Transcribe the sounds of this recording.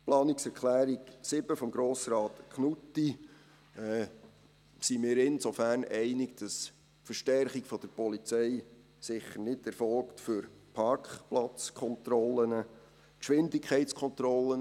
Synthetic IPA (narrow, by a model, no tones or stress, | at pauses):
plɑːnɪksɛɾkʰlæːɾiksɪbəfɔmɡɾoːsɾɑːtkχnutːi | ɛ | simɪːɾɪnsofærnɛɪnɪɡ̥d̥ɑs | fəɾʃtɛrχiɡfɔd̥̪əɾpɔlit͡sɛɪ | sɪχːəɾnɪdɛɾfɔlktfʏɾpʰɑɾkχplɑt͡skʰɔntɾɔlːənə | kʃʋɪndɪkʰχɛɪt͡skʰɔnt̪ɾɔlən